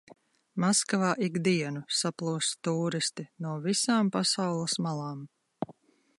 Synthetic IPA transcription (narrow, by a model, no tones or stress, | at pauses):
maskavaːʔiɡd̪iɛnusaplˠuːst̪uːɾist̪inuɔvisaːmpasawlˠɐsmalˠɑːm